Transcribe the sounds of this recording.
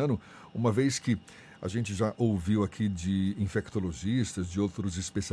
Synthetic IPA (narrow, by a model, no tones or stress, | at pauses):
ɐ̃nʊ | ũmɐvejskɪ | a̰ʒẽnt͡ʃɪʒaʔowviwakʰid͡ʒɪĩfekt̪oloʒist̪ɐzd͡ʒɪowt̪ɾʊzɪspesi